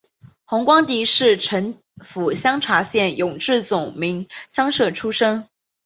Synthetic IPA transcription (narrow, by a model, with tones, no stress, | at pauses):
xʊ˧˥ŋkwɑ˥ŋt̪i˧˥ʂɻ̩˥˩ʈ͡ʂʰə˧˥ŋ | fu˨˩ɕjɑ˥ŋʈ͡ʂʰwa˧˥ɕjɛ˥˩njʊ˨˩ŋʈ͡ʂɻ̩˥˩t͡sʊ˨˩ŋmi˧˥ŋɕjɑ˥ŋʂɤ˥˩ʈ͡ʂʰu˥ʂɤ˥ŋ